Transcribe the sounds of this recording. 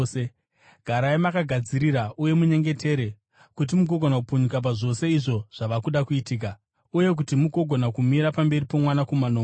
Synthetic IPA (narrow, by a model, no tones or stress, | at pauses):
e | ɡʱaɾaimakaɡʱad͡ziɾiɾaʔuje̞muɲe̞ŋɡe̞te̞ɾe̞ | kut̬imuɡʱo̞ɡʱo̞nakupuɲukap̬aʐo̞se̞iʐo̞ʐ̥aʋakuɗakuitiːk̬a | uje̞k̬utimuɡʱo̞ɡʱo̞nakumiɾapambe̞ɾipo̞mwanakumanoː